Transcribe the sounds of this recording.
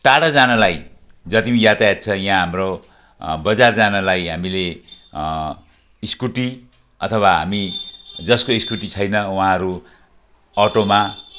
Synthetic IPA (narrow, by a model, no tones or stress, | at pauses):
ʈaɽʌd͡zanʌlaj | d͡zʌt̪imijat̪ajat̪̚t͡sʰʌjãɦamro | bʌd͡zard͡zanʌlajɦamile | iskuʈi | ʌt̪ʰʌwaɦa̰mid͡zʌskoiskuʈit͡sʰʌjnʌwɦãɦʌɾu | ʌʈoma